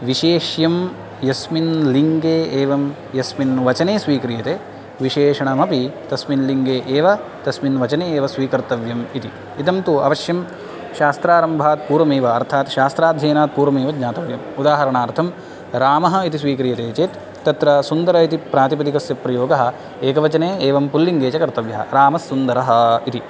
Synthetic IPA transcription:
ʋiʃeːʃjɐm | jɐsminliŋɡeːeːʋɐm | jɐsminʋɐt͡ʃɐneːsʋiːkɾijɐt̪eː | ʋiʃeːʂɐɳɐmɐpit̪ɐsminliŋɡeːʔeːʋɐt̪ɐsminʋɐt͡ʃɐneːeːʋɐsʋiːkɐɾt̪ɐʋjɐmit̪i | it̪ɐmt̪uɐ̰ʋɐʃjɐm | ʃaːst̪ɾaːɾɐmbʱaːt̪̚puːɾʋɐmeːʋɐːɾt̪ʰaːt̪ʃaːst̪ɾaːd̪ʱjɐːnaːt̪̚puːɾʋɐmeːʋɐɡɲaːt̪ɐʋjɐmud̪aːɦɐɾɐɳaːɾt̪ʰɐm | ɾaːmɐɦɐ̆it̪is̬ʋiːkɾijɐt̪eːt͡ʃeːt̪ | t̪ːɐt̪ɾɐsund̪ɐɾɐit̪ipɾaːt̪ipɐd̪ikɐsjɐpɾɐjoːɡɐɦɐ̆ | eːkɐʋɐt͡ʃɐneːeːʋɐmpulːiŋɡeːt͡ʃɐkɐɾt̪ɐʋjɐɦɐ̰ɾaːmɐsːund̪ɐɾɐɦɐit̪i

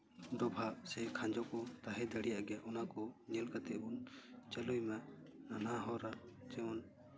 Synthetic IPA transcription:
ɖ̪ɔbʱasɛkʰãɲd͡ʒɔkɔt̪aɦɛd̪ʱəɽijaʔɡjaʔɔnakɔnɛlkat̪ɛunt͡ʃəlujmananaɦɔɾat͡ʃɛɔn

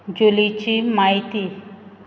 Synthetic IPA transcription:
d͡ʒulit͡ɕimait̪i

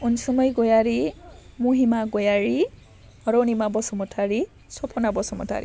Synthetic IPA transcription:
unsɔmɔjɡojaɹimuɦimaɡojaɹi | ɔɾonimabɔsɔmɔtʰaɹi | sɔpʰɔnabɔsɔmɔ̰tʰa̰ɹḭ

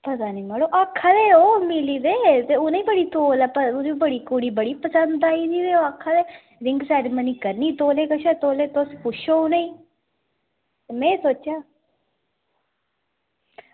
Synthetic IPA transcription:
pət̪aːnĩːməɽoːʔaːkʰːaːd̪eːoːmɪliːd̪eːt̪eːʊnaiːbəɽiːt̪oːlɛːpəʊd̪ibəɽiːkoɽiːbəɽiːpəsənd̪aːiːd̪iːd̪eːoakʰːaːd̪eː | ɾɪŋɡsaːɾeːməniːkəɾniːt̪oːleːkəʃɛːt̪oːleːt̪ospʊʃʰoːonaĩː | t̪emɛ̃ːsoːt͡ʃːjaː

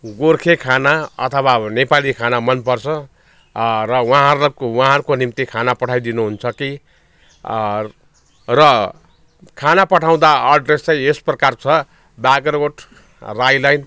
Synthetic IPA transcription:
ɡorkʰekʰanaʌ̰t̪ʰʌwanepalikʰanamʌnpʌrt͡sʰʌ | rʌwãɦʌɾlkwãɦʌɾukonimt̪ikʰanapʌʈʰajd̪inuɦunt͡sʰʌki | rʌ | kʰanapʌʈʰaw̃d̪aʌɖrest͡saj̃esprʌkart͡sʰʌ | baɡʌroʈ | rajlajn

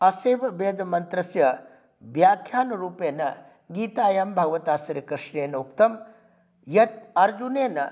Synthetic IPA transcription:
ɐseːʋɐbeːd̪ɐmɐnt̪ɾɐsjɐ | ʋjaːkʰjaːnɐɾuːpeːnɐ | ɡiːt̪aːjɐmbʱɐɡɐʋɐt̪aːsɐɾikɾɪʂɳeːnɐukt̪ɐm | jɐt̪̚ɐɾd͡ʒuneːnɐ

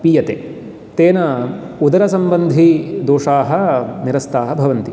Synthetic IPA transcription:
pijɐt̪eː | t̪eːnɐ | ud̪ɐɾɐsɐmbɐnd̪ʱid̪oːʂaːɦɐniɾɐst̪aːɦɐbʱɐʋɐnt̪i

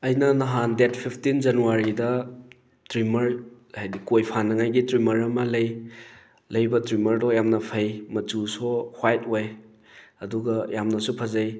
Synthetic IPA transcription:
ɐjnɐnɐɦandet̚pʰipʰtind͡ʒɐnuwaɾidɐ | tɾimɐɾ | hajdikojpʰanɐŋajɡitɾimɐɾɐmɐlɐj | lɐjbɐtɾimɐɾdɔjamnɐpʰɐjmɐt͡ʃusohwajt̚oj | ɐduɡɐjamnɐsupʰɐzɐj

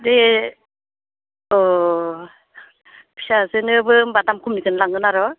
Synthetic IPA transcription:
de | ɔ | pʰi̥sasɯnɯbɯbadamkʰumnikɯnlaŋɯnaɾɔ

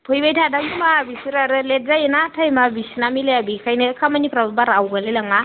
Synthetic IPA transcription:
pʰojibajtʰadaɡumabisuɾaɾəlet̚zajnatʰajmabisinamilejabikʰajnekʰamaɲipɾabbaɾawɡaleləŋa

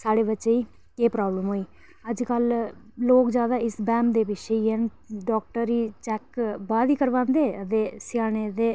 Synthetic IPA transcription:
saːɽeːbəʃeːiː | keːpɾaːbləmɦoːiː | əd͡ʒkəlloːkd͡ʒjaːd̪aːɪsbɛ̃ːmd̪eːbɪʃeiːɦɛn | ɖɔːkʈəɾiːt͡ʃɛkbaːd̪iːkəɾʋãːnd̪eːət̪eːsɪjaːneːd̪eː

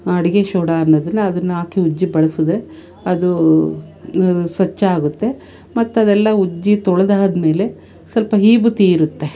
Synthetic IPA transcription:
ɐɽiɡeʃoːɽaːnːɐd̪ɐnːuɐd̪ɐnːuaːkiud͡ʒːibɐɭɐsud̪ɾe | ɐd̪u | sʋɐt͡ʃːɐaːɡut̪ːe̞ | mɐt̪ːuɐd̪ɛlːɐud͡ʒːit̪ɔɭɐd̪aːɐd̪ɐme̞ːle̞ | sɐlpɐɦiːbut̪iːɾut̪ːe̞

